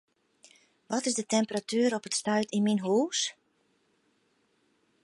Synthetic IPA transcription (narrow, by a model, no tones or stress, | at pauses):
ʋɔtɪzdətɛmpəratyːɾɔpətstœɥtinminɦuːs